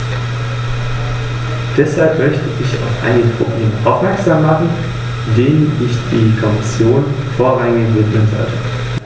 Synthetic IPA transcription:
d̥ɛshalpmœçtəʔɪça̰ʊfʔa̰ɪnɪɡəpʁ̥obleːmʔaʊfmɛɐkz̥aːmːaχn̩ | deːnʔɪçd̥iːkʰɔmɪsjoːn | foːɐʁaŋɪçvɪkl̩nzɔ̰ɐtə

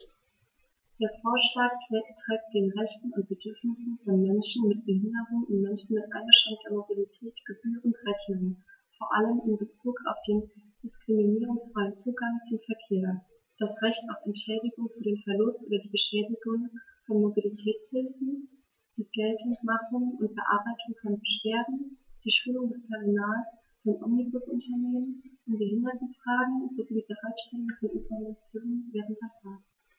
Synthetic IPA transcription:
d̥eːɐfoːɐʃlaːk̚pl̥ɛktʁ̥ɛːk̚t̚d̥eːnʁɛçtn̩ʊnt̚b̥ədʏɐfnɪsn̩fɔnmɛnʃn̩mɪtb̥əhɪndəʁʊŋʊnmɛnʃn̩mɪtʔaɪnɐʃaŋd̥eːɐmobilitʰɛːtɡ̥əbyːʁʊntʁɛçnʊŋfoːɐʔaləmɪnbət͡suːka̰ʊfd̥eːnd̥ɪskʁ̥iminiːʁʊŋsfʁ̥aɪənt͡suːɡaŋt͡sʊmfɛɐkʰeːɐ | d̥asʁɛçtaʊfɛntʃɛːdɪɡʊŋfyːɐdeːnfɛɐlʊstʔo̰ːdɐdiːbəʃɛːdɪɡʊŋfɔnmobilitʰɛːt͡shɪlfn̩ | d̥iːɡ̥ɛltʰn̩tmaχʊŋʔʊnt̚b̥əʔa̰ɐbaɪtʰʊŋkʰanbəʃv̥eːɐdn̩d̥iːʃuːlʊŋdɛspʰɛʁinaːls | fɔnʔɔ̰mnibʊsʔʊntʰɐneːmənʔʊnbəhɪndɐtn̩fʁ̥aːɡŋ̩zoviːdiːbəʁaɪtʃtɛlʊŋfɔnʔɪ̰saminat͡sjoːnənvɛːʁ̞ənt̚d̥eːɐfaːɡ

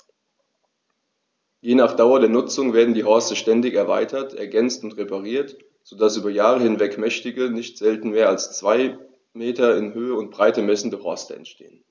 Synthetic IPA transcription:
jeːnaːχd̥aʊɐdeːɐnʊt͡sʊŋveːɐdn̩diːɦɔɐstəʃtɛndɪçɛɐva̰ɪtʰɐtʰʔɛɐɡɛnt͡stʊntʁepaʁiːɐt | z̥odasʔyːbɐjaːʁəhɪnvɛkmɛçtɪɡənɪçtz̥ɛltn̩meːɐalst͡sv̥aɪ | meːtɐɪnhøːəʊnt̚b̥ʁ̥aɪtəmɛsn̩dəhɔɐstəɛ̰ntʃtḛːən

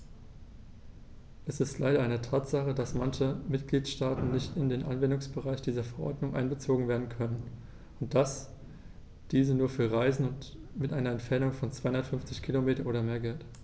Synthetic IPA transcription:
ʔɛsɪstlaɪɾɐʔaɪnətʰaːtz̥aχədasmançəmɪtɡ̥liːtʃtaːtn̩nɪçtɪndeːnʔa̰nvɛndʊŋsb̥əʁaɪçd̥iːzɐfɛɐʔɔ̰ɐdnʊŋʔa̰ɪnbət͡soːɡŋ̩veːɐdn̩kʰœnən | ʊnt̚d̥as | d̥iːzənuːɐfyːɐʁaɪzn̩ʊntmɪtʔaɪnɐɛntfɛɐnʊŋfɔnt͡sv̥aɪhʊndɐtfʏnft͡sɪçkʰilomeːtɐʔoːdɐmeːɐɡɛlt

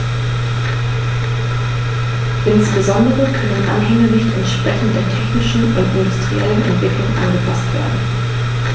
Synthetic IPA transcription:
ʔɪnsb̥əzɔndəʁəkʰœnənʔa̰nɦɛŋənɪçtɪnʃpɛçən̩deːɐtʰɛçnɪʃn̩ʔʊntɪndʊstʁ̥iɛlənʔɛ̰ntv̥ɪklʊŋʔa̰nɡəpʰastv̥ḛːɐdn̩

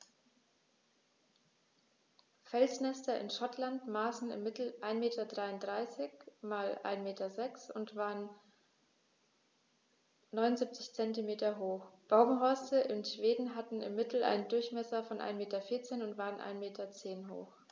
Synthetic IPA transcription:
fɛlsnɛstɐɪ̰nʃɔtʰlantmaːsn̩ɪ̰mːɪtl̩ʔaɪnmeːtɐdʁaɪʊntd̥ʁaɪsɪçmaːlʔa̰ɪnmeːtɐzɛksʊntv̥aːʁən | nɔʏnʊnzip̚t͡sɪçt͡sɛntimeːtɐɦoːxb̥aʊɡŋ̩ɦɔɐstəʔɪmʃv̥eːdn̩ɦatn̩ɪ̰mːɪtl̩ʔa̰ɪnəndʊɐçmɛsɐfɔnʔa̰ɪnmeːtɐfɪɐt͡seːnʊntv̥aːʁənʔa̰ɪnmeːtʰɐt͡seːnɦo̰ːx

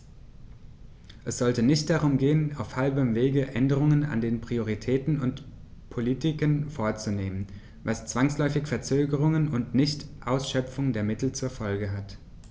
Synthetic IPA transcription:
ʔɛsz̥ɔltənɪçt̚d̥aʁ̞ʊmɡeːənaʊfhalbəmveːɡəʔɛndəʁ̞ʊŋəna̰ndeːnpʁ̥ioʁ̞itʰɛːtn̩ʊnt | pʰolitɪkənfoːɐt͡suneːmən | vast͡sv̥aŋslɔʏfɪçfɛɐt͡søːɡəʁ̞ʊŋənʊntnɪçtʔaʊsʃœpp͡fʊŋdeːɐmɪtl̩t͡suːɐfɔlɡəɦat

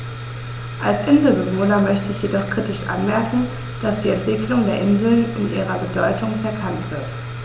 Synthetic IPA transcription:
ʔalsʔɪnzl̩bəvoːnɐmœçtəɪçjedɔχkʁ̥itɪʃʔa̰nmɛɐkŋ̩ | d̥asd̥iːɛntv̥ɪkʰlʊŋdeːɐʔɪnzl̩nɪnʔiːʁɐbədɔʏtʊŋfɛɐkʰantv̥ɪɐt

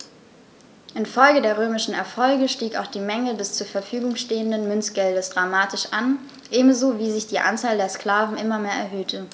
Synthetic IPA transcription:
ʔɪnfɔlɡədeːɐʁøːmɪʃn̩ɛɐfɔlɡəʃtiːka̰ʊxd̥iːmɛŋədɛst͡suːɐfɛɐfyːɡʊŋʃteːəndənmʏnt͡sɡ̥ɛldəsd̥ʁamaːtɪʃʔan | ʔeːbm̩zoːviːzɪçd̥iːʔa̰nt͡saːldeːɐskl̥aːvn̩ʔɪmɐmeːɐɛ̰ɐɦøːtʰə

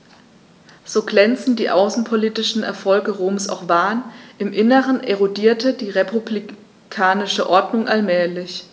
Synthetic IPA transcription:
z̥oːɡlɛnt͡sn̩diːʔaʊsn̩pʰoliːtɪʃn̩ɛ̰ɐfɔlɡəʁoːmsa̰ʊxv̥aːnʔɪmʔɪnəʁəneʁodiːɐtədiːʁepʰubli | kʰaːnɪʃəʔɔɐdnʊŋʔalmɛːlɪç

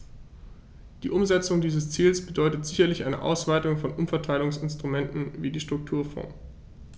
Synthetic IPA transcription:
d̥iːʔʊmzɛt͡sʊŋdiːzəst͡siːlsb̥ədɔʏtətz̥ɪçɐlɪçʔaɪnə̰ʔa̰ʊsv̥aɪtʊŋfɔnʔʊmfɛɐtʰaɪlʊŋsɪnstʁ̥umɛntn̩viːdiːʃtʁ̥ʊk̚tʰuːɐfɔ̰̃ːŋ

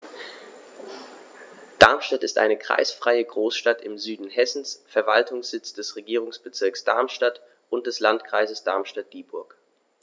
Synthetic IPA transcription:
d̥aɐmʃtatɪstʔa̰ɪnəkʁ̥a̰ɪsfʁ̥aɪəɡʁoːsʃtatɪmzyːdn̩hɛsn̩sfɛɐva̰ltʰʊŋsz̥ɪt͡sd̥ɛsʁeɡiːʁ̞ʊŋsb̥ət͡sɪɐksd̥a̰ɐmʃtat | ʔʊnt̚d̥ɛslantkʁ̥aɪzəsd̥a̰ɐmʃtat̚d̥iːbʊɐk

